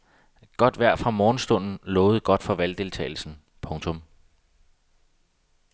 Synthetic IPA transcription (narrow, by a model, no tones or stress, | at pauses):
ɡ̥ɒ̽d̥ʋæɐ̰fʁɑ̈mɒːn̩sd̥ɔ̽n̰n̩lɔ̽ːʊð̩ˠɡ̥ɒ̽d̥fɒ̽ʋæld̥e̝lt͡sʰɛ̰ːɪl̩sn̩ | pʰɔ̽ŋt͡sʰɔ̽m